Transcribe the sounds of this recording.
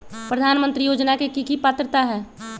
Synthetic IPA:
pɾəd̪ʱaːnmənt̪ɾijoːd͡ʒnakekikipaːt̪ɾət̪aɦɛː

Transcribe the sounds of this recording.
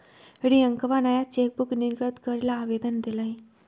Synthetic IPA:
eɽ̃iəŋkəʋanajat͡ɕek̚bukniɾɡəɾt̪kəɾelaːʋed̪ənd̪ilaɦi

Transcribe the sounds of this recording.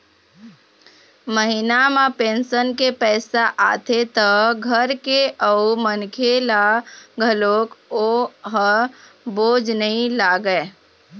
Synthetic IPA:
məɦinamapẽːnsənkepɛːsaʔa̰ːt̪ʰet̪əɡʱəɾkeʔəumənkʰelaɡʱəlokoɦə | boːd͡ʒnəĩlaɡəe

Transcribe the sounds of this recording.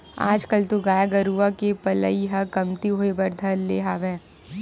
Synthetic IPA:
a̰ːd͡ʒkəlt̪oɡaːjaɡɐɾuakepɐlə̰iɦɐkɐmt̪iɦoːebɐɾd̪ʱɐɾleːɦaːʋẽː

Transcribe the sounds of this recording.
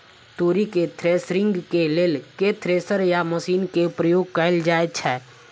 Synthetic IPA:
t̪oːɾiket̪ʰɾeːsɾɪ̃ŋɡkeleːlket̪ʰɾeːsəɾjaməʃiːnkepɾəjoːɡ̚kəld͡ʒaːet͡ʃʰɛː

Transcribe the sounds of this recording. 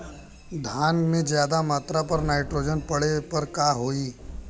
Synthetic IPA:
d̪ʱaːnmẽzjaːd̪amaːt̪ɾapɐɾnaːɪʈɾoːd͡ʒənpɐɽepɐɾkaːɦoːiː

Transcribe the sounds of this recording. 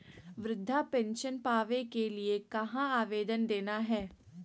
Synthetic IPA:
ʋɾɪd̪ʱːapɛ̃nʃənpaːʋẽkeliekɐɦãaːʋeːd̪ənd̪eːnaɦɛː

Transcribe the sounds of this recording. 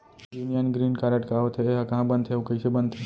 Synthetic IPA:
juːnijənɡɾiːnkaɾəʈkaɦot̪ʰeɦakɐɦãbə̃ndt̪ɦẽukəisebə̃nd̪ʰẽ

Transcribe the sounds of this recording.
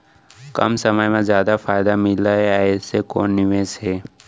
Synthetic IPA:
kɐ̰msɐməjmẽzjaːd̪afaːjɪd̪amɪlaɦɛaːesekoːnːɪʋesɦɛː

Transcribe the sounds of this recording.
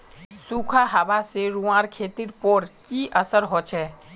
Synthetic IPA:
sukʰaɦaʋaseɾuãɾkʰeːt̪iɾpoɾkiʔəsəɾɦot͡ʃʰɛː

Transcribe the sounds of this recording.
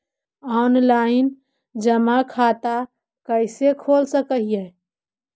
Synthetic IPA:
ɔnlain | d͡ʒəmakʰat̪a | kəɪsekʰolsəkəɦijɛ

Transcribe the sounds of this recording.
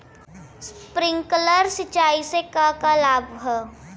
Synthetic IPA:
spɾɪ̃ŋkləɾsɪt͡ʃaːisekakalaːbɦə

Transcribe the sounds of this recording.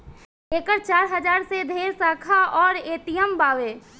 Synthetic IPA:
eːkəɾt͡ʃaːɾɦəd͡ʒaːɾsed̪ʱeːɾsaːkʰaʔɔːɾeːt̪ijəmbaːʋeː

